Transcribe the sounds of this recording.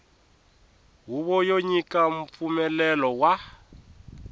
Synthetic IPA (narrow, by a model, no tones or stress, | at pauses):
ɦuβɔjoɲikʼam̩p̪fumɛlɛlɔwa